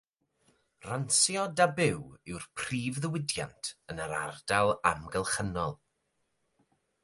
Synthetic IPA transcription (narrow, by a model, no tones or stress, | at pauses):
ransjɔdabɪwɪwrpʰriːvðəwɪdja̰ntʰənəɾa̰rdalˠamɡəlˠχənɔlˠ